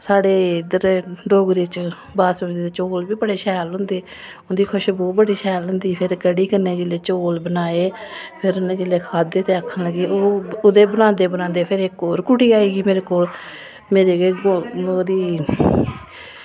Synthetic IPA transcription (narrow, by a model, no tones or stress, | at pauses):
saːɽeːd̪əɾɖoːɡɾiːt͡ʃ | baːsɾiːd̪eːt͡ʃoːlbiːbəɽeːʃɛːlɦʊ̃nd̪eː | ʊnd̪iːkʰʊʃbɔːbəɽiːʃɛːlɦʊnd̪iːpʰɪɾkəɽiːkənːeːd͡ʒɪleːt͡ʃoːlbənaːeːpʰɪɾʊnẽːd͡ʒɪleːkʰaːd̪eːt̪eːəkʰːənləɡeːoːʊd̪eːbənãːnd̪eːbənãːnd̪eːpʰɪɾekoːɾkʊʈiːaːiːɡiːmeːɾeːkoːl | meːɾeːɡd̪iː